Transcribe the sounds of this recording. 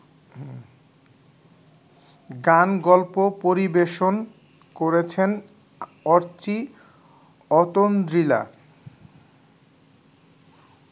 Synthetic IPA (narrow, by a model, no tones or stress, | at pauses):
ɡanɡɔlpopoɾibeʃon | koɾet͡ɕʰen | ɔɾt͡ɕi | ɔt̪ond̪ɾila̰